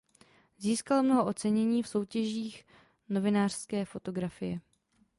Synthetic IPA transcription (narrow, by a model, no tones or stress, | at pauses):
ziːskalomno̞ɦoʔo̞t͡sɛɲɛɲiːfso̞wcɛʒiːx | no̞vɪnaːr̥skɛːfo̞t̪o̞ɡɾafɪjɛ